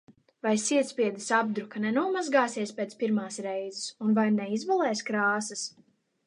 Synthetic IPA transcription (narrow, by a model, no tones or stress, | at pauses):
vajsʲiɛt̪spʲiɛd̪ɨsab̚d̪ɾukanɛnuɔmazɡaːsiɛspeːt̪sʲpiɾmaːsɾɛjzɪsunvajnɛizvalˠɛːskɾaːsɐs